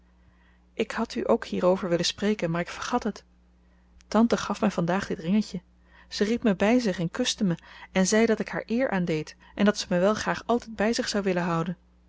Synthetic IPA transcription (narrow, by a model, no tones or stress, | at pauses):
ʔɪkhɑtyʔowkhiːɾowvəɹʋɪlənsprejkənmaːɹɪkfəɹχɑtɦət | tɑntəχɑfmɛjvɑndaːχdɪtrɪŋəcə | z̥əripməbɛjzɪχɛnkɵstəməɛnzɛjdɑtɪkha̰ːɹʔɪːɹʔaːndejt | ʔɛndɑtsəməʋɛlˠχraːχɑlˠtɛjd̚bɛjzɪχsɑwʋɪlənɦɑwdən